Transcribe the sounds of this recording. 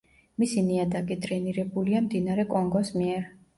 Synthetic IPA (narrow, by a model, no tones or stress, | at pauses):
misiniad̪akʼid̪ʼɾɛniɾɛbuliamd̪inaɾɛkʼɔŋɡɔsmiɛɾ